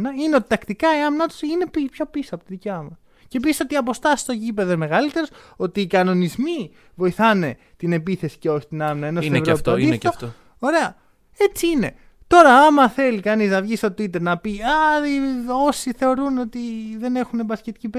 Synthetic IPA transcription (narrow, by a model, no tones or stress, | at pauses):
nɐineo̞t̪i̥t̪ɐkt̪ikɐiɐmnɐt̪u̥sine̞pipço̞pisoɐpot̪iðicɐmɐs | ce̞piso̞t̪iɐpo̞st̪ɐsi̥st̪ocipe̞ðɐme̞ɣɐlit̪e̞ɾoso̞t̪iːkɐno̞nizmi | vo̞iθɐne̞ | t̪ine̞piθe̞si̥ceo̞çi̥t̪inɐmnɐenosevɾooit̪of | oɾe̞ɐ | e̞t͡siine̞ | t̪o̞ɾɐomɐθe̞likɐniznɐvʝist̪o̞t̪it̪e̞ɾnɐpiaio̞siθe̞o̞ɾuno̞t̪iðe̞ne̞xunebɐscet̪icipe